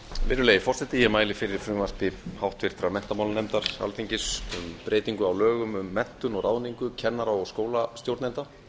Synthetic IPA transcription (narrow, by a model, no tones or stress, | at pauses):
mɪnːʏlejɪfɔr̥sɛht̪ɪjɛmaːjlɪfɪɾɪɾ̥fɾʏːmaspɪhawht̪vɪɾ̥t̪ɾamɛn̥t̪amawlnejmt̪aɾ̥a̰lfiɲcɪsʏmpɾʔeːjt̪iŋkʏawlœːɣʏmʏmːɛn̥t̪ʏnɔɣɾʔaːwniŋkʏcʰɛnːaɾaɔɣskoːwlast̪jowɾt̪nɛnt̪a